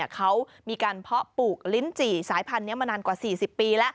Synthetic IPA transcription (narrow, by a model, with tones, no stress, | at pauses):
kʰa˦˥w | miː˧kaː˧npʰɔ˦˥puː˨˩k̚li˦˥nt͡ɕiː˨˩saː˩˦jpʰa˧nːi˦˥ɐmaː˧naː˧nkwaː˨˩siː˨˩si˨˩pːiː˧lɛ˦˥ʔ